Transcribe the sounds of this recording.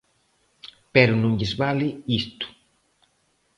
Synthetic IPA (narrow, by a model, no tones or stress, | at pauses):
pɛɾunuŋɟizbaliist̪u̥